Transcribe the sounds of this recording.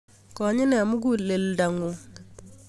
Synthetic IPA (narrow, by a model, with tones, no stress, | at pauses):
kɔ˨˦ɲɪ˦nɛ˨mu˦ɡ̬u˦le˨lda˨ŋu˨